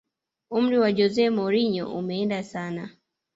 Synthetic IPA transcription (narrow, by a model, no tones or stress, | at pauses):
um̩ɾiwad͡ʒɔzɛmɔɾiɲɔ̰ʔṵmɛɛndasana